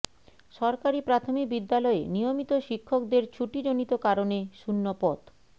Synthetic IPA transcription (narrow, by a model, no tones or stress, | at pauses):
ʃɔɾkaɾipɾat̪ʰomik̚bid̪ːalɔenijomit̪oʃikʰːok̚d̪eɾt͡ɕʰuʈid͡ʑonit̪okaɾoneʃunːopɔt̪